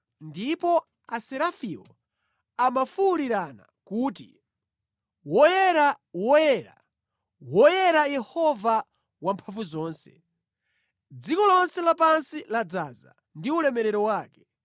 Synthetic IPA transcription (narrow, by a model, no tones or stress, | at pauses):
ndipɔ | asɛɾafiɔ | amafuːɾiɾana̰kuːti | wɔjɛɾa | wɔjɛɾa̰ | wɔjɛɾajɛhɔva | wampʰaɱvuzɔːnsɛ | d͡zikɔlɔnsɛlapansilad͡zaza̰ | ndiulɛmɛɾɛɾɔwaːkɛ